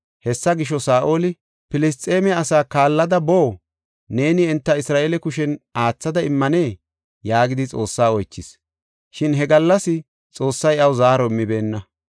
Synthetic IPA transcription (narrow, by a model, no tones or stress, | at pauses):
hɛsːɐɡɪʃ̬ɔsaːʔoːlɪ | pɪlɪs̬t̪ʼe̞ːmɛɐsaːkaːlːɐd̪ɐboː | ne̞ːnɪɪnt̪ːɐɪsɾaːʔelɛkʊʃɛnaːt͡sːɐd̪ɐɪmːɐne̞ː | jaːɡɪd̪ɪt͡sʼo̞ːsːaːɔjt͡ʃːɪs | ʃɪnɦɛɡɐlːɐsɪ | t͡sʼo̞ːsːɐjɐwʊzaːɾɔmːɪbe̞ːnːɐ